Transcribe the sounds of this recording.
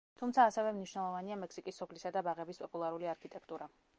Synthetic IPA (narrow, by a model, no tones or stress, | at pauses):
t̪ʰumt̪sʰaːsɛvɛmniʃwnɛlˠɔvaniamɛksikʼisːɔpʰlisad̪abaʁɛbispʼɔpʼulˠaɾuliaɾkʰit̪ʼɛkʰt̪ʼuɾa